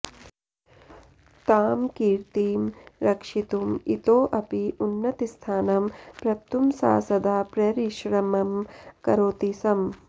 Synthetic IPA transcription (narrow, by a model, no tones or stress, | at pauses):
t̪aːmkiːɾt̪iːmɾɐkʂit̪umit̪oːʔɐpiʔunːɐt̪ist̪ʰaːnɐmpɾɐt̪umsa̰ːsɐd̪aːpɾɐɾiʃɾɐmɐmkɐɾoːt̪isɐm